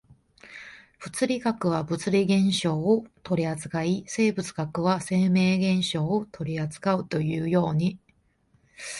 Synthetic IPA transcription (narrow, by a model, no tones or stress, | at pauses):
b̥ɯ̟t͡sɨɾʲiɡakɯ̟βabɯ̟t͡sɨɾʲiɡẽ̞ɰ̃ɕo̞ːt̪o̞ɾʲiazɨ̥kaise̞ːbɯ̟t͡sɨ̥kakɯ̟βase̞ːme̞ːɡẽ̞ɰ̃ɕo̞ːot̪ʰo̞ɾʲiat͡sɨ̥kaɯ̟t̪o̞jɯ̟ːjo̞ːɲ̟i